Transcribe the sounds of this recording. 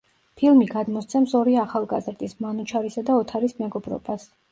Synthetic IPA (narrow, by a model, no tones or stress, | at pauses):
pʰilˠmiɡad̪mɔst̪sʰɛmsɔɾiaχalˠɡazɾd̪ʼismanut͡ʃʰaɾisad̪aɔt̪ʰaɾismɛɡɔbɾɔ̰bas